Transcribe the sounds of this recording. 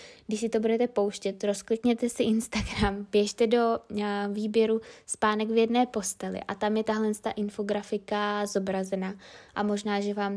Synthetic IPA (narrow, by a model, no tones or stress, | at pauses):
ɡdɪʃsɪt̪o̞budɛt̪ɛpo̞wʃcɛt̪ɾo̞sklɪkɲɛt̪ɛsɪʔɪnst̪aɡɾampjɛʃt̪ɛdo̞viːbjɛɾuspaːnɛɡvjɛdnɛːpo̞st̪ɛlɪ̰ʔa̰t̪amjɛt̪aɦlɛnst̪a̰ʔɪnfo̞ɡɾafɪkazo̞bɾazɛnaːʔamo̞ʒnaːʒɛvaːm